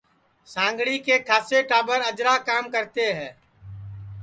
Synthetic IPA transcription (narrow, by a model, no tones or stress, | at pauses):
sãːŋɡɽikekʰaːseʈaːbəɾəd͡ʒɾakaːmkəɾt̪eɦɛ̃ː